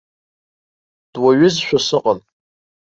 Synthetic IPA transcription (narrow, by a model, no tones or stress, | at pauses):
d̥waɥʊzʃᶣasɨqʼən